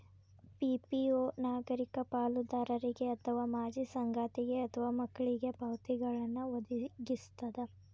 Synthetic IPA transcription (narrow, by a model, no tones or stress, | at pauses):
pipioːnaːɡɐɾikɐpaːlud̪aːɾɐɾiɡeɐt̪ʰɐʋaːmaːd͡ʒisɐŋɡaːt̪iɡeɐt̪ʰɐʋaːmɐkːɐɭiɡe̞pɐwt̪iɡɐɭɐnːuʋɐd̪iɡist̪ɐd̪e